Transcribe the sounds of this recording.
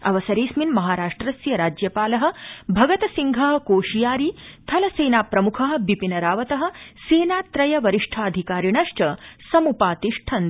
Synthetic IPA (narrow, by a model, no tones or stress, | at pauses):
ɐ̰ʋɐsɐɾeːsminmɐɦaːɾaːʂʈɾɐsjɐɾaːd͡ʒjɐpaːlɐɦɐ̆bʱɐɡɐt̪ɐsiŋɡʱɐɦɐ̆koːʃijaːɾiːt̪ʰɐlɐseːnaːpɾɐmukʰɐɦɐ̆ʋipinɐɾaːʋɐt̪ɐɦɐ̆seːnaːt̪ɾɐjɐʋɐɾiʂʈʰaːɐd̪ʱikaːɾiɳɐʂt͡ʃɐsɐmupaːt̪iʂʈʰɐn